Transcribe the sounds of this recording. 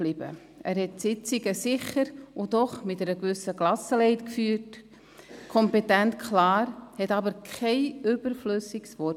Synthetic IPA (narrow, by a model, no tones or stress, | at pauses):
lib̥ə̰ | ʔæːɾhɛtsɪt͡siɡəsɪχəɾʊdɔχmɪtɛɾəkvʏsəklɑsəlɛɪtkfyːɾt | kʰɔmpetæntkʰlɑːɾhɛtɑbəɾkʰχɛɪʔʏb̥əɾfløsiksvɔ